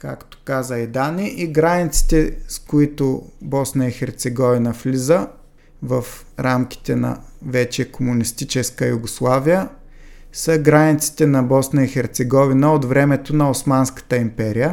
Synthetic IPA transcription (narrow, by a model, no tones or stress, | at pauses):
kakt̪o̥kazəɛd̪aniʔiɡɾanʲit̪si̥t̪ɛskʊit̪ʊbɔsnəixɛɾt̪sɛɡɔvinəflizə | vəf | ɾamk̟i̥t̪ɛnɐ̰vɛt͡ʃɛkomʊnist̪it͡ʃɛskəjʊɡʊslˠavijə | səɡɾanit̪si̥t̪ɛnɐbɔsnəixɛɾt̪sɛɡɔvinəot̪vɾɛmɛt̪onɐosmanskə̥t̪əimpɛɾijə